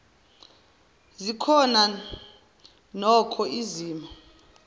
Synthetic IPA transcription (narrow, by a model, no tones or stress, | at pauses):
zikʰɔna | nɔkʰɔʔiziːma